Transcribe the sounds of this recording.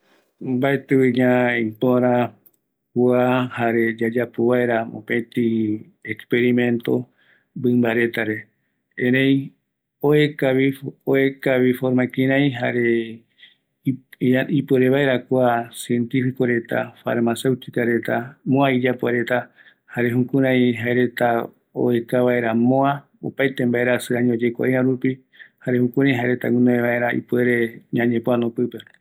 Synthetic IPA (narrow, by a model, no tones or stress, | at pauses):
baet̪uiɲãĩpoɾa | kuahaɾe̞d͡ʒad͡ʒapoβaeɾao̰pẽt̪i | ekspeɾimẽnt̪o̰ | bɨmbaɾe̞t̪aɾe | ẽɾẽj | oekaβioekaβifoɾmakĩɾãj̃ɦaɾe | ipueɾeβae̞ɾakʷasie̞nt̪ifikoɾe̞t̪a̰fa̰ɾmasewt̪ikaɾe̞t̪amõaid͡ʒapoaɾe̞t̪a | haɾe̞ɦũkũɾãjɦaeɾe̞t̪a | o̰ekaβae̞ɾamõa | o̰pajt̪e̞mbae̞ɾasɨãɲõd͡ʒe̞kʷa̰ʔiãɾupi | haɾe̞hũkũɾãj̃ɦaeɾe̞t̪a̰ŋwũnõeβae̞ɾaḭpweɾe̞ɲãɲẽpoanõpɨpe̞